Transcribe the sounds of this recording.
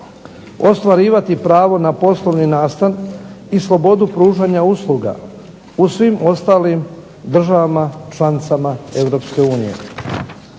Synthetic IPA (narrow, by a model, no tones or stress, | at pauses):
o̞st̪ʋaɾiːʋat̪ipɾaːʋo̞napo̞slˠo̞ʋninaːst̪anislˠo̞bo̞d̪upɾuːʒaɲauslˠuɡa̰ | usʋimʔo̞st̪aːlim | d̪r̩ʒaʋamat͡ʃlˠanit̪samae̞ʋɾo̞ːpske̞uːnije̞̰